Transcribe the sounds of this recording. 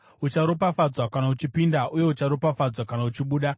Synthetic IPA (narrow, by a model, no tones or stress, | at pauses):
ut͡ʃaɾopafad͡zwakanaut͡ʃipindaʔuje̞ut͡ʃaɾo̞pafad͡zwakanaut͡ʃiɓuːɗa